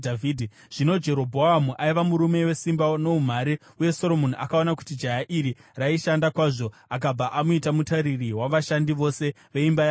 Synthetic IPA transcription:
dvidʱi | ʐ̥ino̞d͡ʒe̞ɾo̞bʱoamuʔaiʋamuɾume̞we̞simbano̞um̤aɾi | uje̞soɾo̞moniʔakaonaku̥tid͡ʒajaʔiɾiraiʃandakwaːʐo̞ | ak̬ab͡vaʔamuitamutaɾiriwaʋaʃandiʋo̞se̞ | ʋe̞imbaja

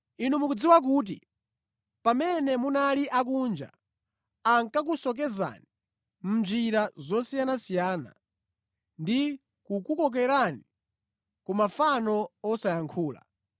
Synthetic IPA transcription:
inumukud͡ziwak̬uːt̬ḭ | pamɛnɛmunaliʔak̬und͡ʒa̰ | aŋkak̬usɔk̬ɛza̰ni | m̩nd͡ʒiɾazɔsijanasijaːna̰ | ndi | kukukɔk̬ɛɾani | kumafanɔɔsajaŋkʰuːla̰

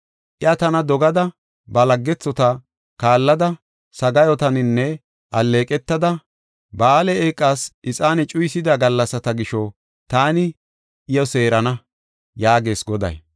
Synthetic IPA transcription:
ʔɪɐt̪ɐnɐd̪ɔɡɐd̪ɐ | bɐlɐɡːɛt͡sːɔt̪ɐ | kaːlːɐd̪ɐ | sɐɡɐjɔt̪ɐnɪnːɛ | ʔɐlːe̞ːkʼɛt̪ːɐd̪ɐ | baːlɛeːkʼːaːsʔɪt͡sʼaːnɛt͡ʃʼʊjsɪd̪ɐɡɐlːɐsɐt̪ɐɡɪʃɔ | t̪aːnɪ | ʔɪjɔse̞ːɾɐnɐ | jaːɡe̞ːsɡɔd̪ɐ̰j

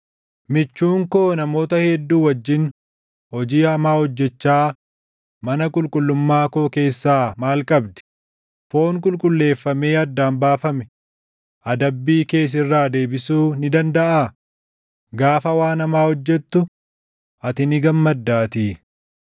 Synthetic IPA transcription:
mɪt͡ʃːuːŋko̞ːnɐmo̞ːt̪ɐhɛd̪ːuːwɐd͡ʒːɪn | hɔd͡ʒiːɐmaːhɔd͡ʒːɛt͡ʃːaː | mɐnɐkʼʊlkʼʊlːʊmːaːkoːke̞ːsːaːmaːlkʼɐbd̪ɛ̥ | fo̞ːŋkʼʊlkʼʊlːe̞ːfːɐme̞ːɐd̪ːaːnbaːfɐmɛ̥ | ʔɐd̪ɐbːiːke̞ːs̬ɪrːaːd̪e̞ːbɪsuːnɪd̪ɐnd̪ɐʔaː | ɡaːfɐwaːnɐmaːhɔd͡ʒːɛt̪ːʊ | ʔɐt̪ɪnɪɡɐmːɐd̪ːaːt̪iː

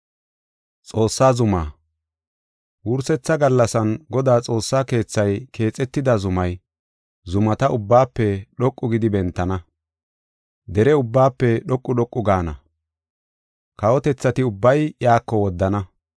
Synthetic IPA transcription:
t͡sʼo̞ːsːaːzʊma̰ː | wʊɾsɛt͡sːɐɡɐlːɐsɐnɡɔd̪aːt͡sʼo̞ːsːaːke̞ːt͡sːɐjkʰe̞ːt͡sʼːɛt̪ːɪd̪ɐzʊmɐj | zʊmɐt̪ɐʔʊbːaːpːɛɗɔkʼːʊɡɪd̪ɪbɛnt̪ːɐnɐ | d̪ɛɾɛʊbːaːpːɛɗɔkʼːʊɗɔkʼːʊɡaːnɐ̰ | kɐwɔt̪ɛt͡sːɐt̪ɪʊbːɐjjaːkːɔwɔd̪ːɐnɐ

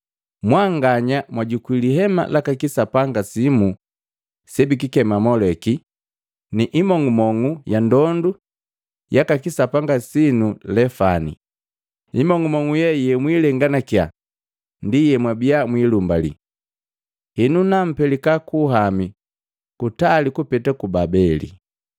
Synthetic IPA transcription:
mwaŋɡaɲamwaɟukwiliɦɛma̰lakakisapaŋɡasimu | sɛbik̬ikɛmamɔlɛki | niʔimɔŋumɔŋujandɔndu | jakakisapaŋɡasinulɛfanḭ | imɔŋɡumɔŋujɛjɛmwilɛŋɡanakja | ndijɛmwabiamwilumbalḭ | hinunam̩pɛlikakuɦami | kutalikupɛtakubabɛlḭ

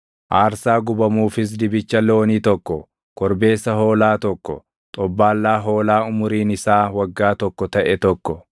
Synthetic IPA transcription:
ʔaːɾsaːɡʊbɐmuːfɪs̬d̪ɪbɪt͡ʃːɐlːɛɔniːt̪ɔkːɔ | kɔɾbe̞ːsːɐɦo̞ːlaːt̪ɔkːɔ̰ | t̪ʼɔbːaːlːaːɦo̞ːlaːʊmʊɾiːnɪsaːwɐɡːaːt̪ɔkːɔt̪ɐʔɛt̪ɔkːɔ

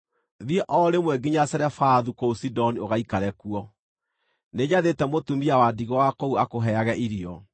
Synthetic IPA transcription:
ðiɛʔɔɾemwɛɡiɲasɛɾɛfaðukousidɔnioɣaikaɾɛkuɔ | neɲaðetɛmotumiawadiɣɔwakɔuakoɦɛaɣɛʔiɾiɔ

